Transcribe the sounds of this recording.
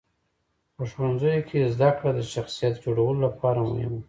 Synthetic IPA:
pəʃwanzəjokʰezd̪akɽad̪əʃaxsijat̪d͡ʒoɽawəlolapɑɾamʊ̰hɪ̰m

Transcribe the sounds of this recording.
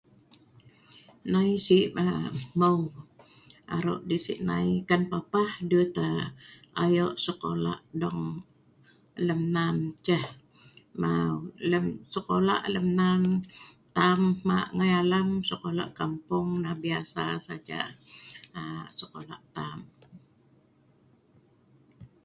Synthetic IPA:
naisiʔaməw | a̰ɾo̰ʔdisḭʔna̰ikanpapahdut̪a | ajɔʔsəko̰la̰ʔdɔŋ | ləmnant͡ʃəh | mawləmsəkola̰ʔləmnant̪amːaʔŋajalamsəkola̰ʔkampʊŋnahbiasasad͡ʒa̰ʔ | səkolaʔt̪am

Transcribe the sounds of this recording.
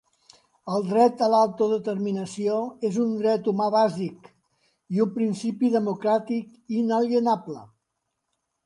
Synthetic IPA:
əlˠd̪ɾɛt̪əlalˠt̪uðət̪əɾminəsioezund̪ɾɛt̪umaβazik | iumpɾinsipiðəmukɾat̪ik | inəljənaplə

